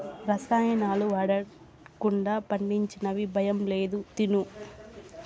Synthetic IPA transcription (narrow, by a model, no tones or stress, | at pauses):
ɾɐsaːjɐnaːluʋɐɽɐ | kuɳɖaːpɐɳɖiɲt͡ʃinɐʋibʱɐjɐmleːd̪ut̪inu